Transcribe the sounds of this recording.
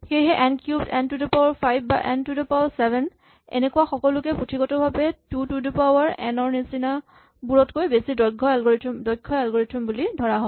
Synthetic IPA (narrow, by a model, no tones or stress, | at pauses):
xejɦɛʔɛnkjubdɛntudipawɔɹpʰajbʱba̰ʔɛntudipawsɛbʱɛn | ɛ̰nekuwaxɔkɔlʊkɛputʰiɡɔtɔbʱabɛtutudipawɔɹɛ̰nɔɹnisina | buɹɔtkojbesidɔɡʱɔɛlɡɔɹitʰumdɔjkʰːɔɛlɡɔɹitʰumbulidʱɔɹaɦɔ